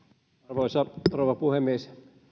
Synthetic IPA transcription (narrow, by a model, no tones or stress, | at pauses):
ɑrʋoˑisɑrouʋɑpuhemːies